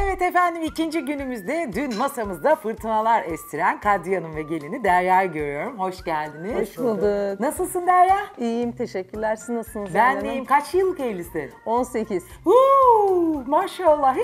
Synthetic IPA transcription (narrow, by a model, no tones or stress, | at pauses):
evɛt̪e̞fænd̪imicind͡ʒiɟynymyzd̪ɛd̪ynmasamɯzd̪afɯɾt̪ʰɯnalˠaɾɛst̪ʰiɾænkʰad̪ijanɯnvɛɟe̞lʲinid̪æɾjaɾɟø̞ɾyjo̞ɾumho̞ʃɟælʲd̪inizooʃˠad̪ɯknasɯlˠsɯnd̪æɾjaijimt̪ʰe̞ʃɛcʰːyɾlʲæɾsinːasɯlbænːejimkʰat͡ʃjjɯlˠːɯke̞jlʲisɪo̞nseciz̥u | maʃalˠːa